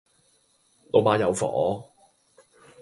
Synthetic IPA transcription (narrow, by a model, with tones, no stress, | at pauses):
lo˨˧wmaː˨˧˥jɐ˨˧wfɔ̰ː˨˦